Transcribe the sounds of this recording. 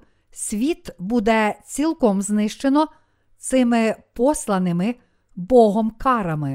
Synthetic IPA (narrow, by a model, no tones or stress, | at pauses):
sʲʋʲit̪bud̪ɛt͡sʲilˠkɔmznɪʃt͡ʃenɔ | t̪sɪmɪpɔslˠɐnɪmɪ | bɔɦɔmkɑɾɐmɪ